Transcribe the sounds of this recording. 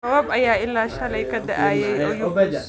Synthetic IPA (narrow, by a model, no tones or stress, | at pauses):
sɐwɐbʔajaːʔɪlːaːʃalɐjkɐda̰ʔaːjajʔajʊbɐd͡ʒa